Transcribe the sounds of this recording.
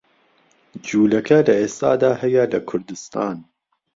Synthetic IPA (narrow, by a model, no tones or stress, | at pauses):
d͡ʒuːlɐkʰɐlɐʔeːst̪a̰ːd̪aːhɐjɐlɐkʰʊɾd̪ɨst̪a̰ːn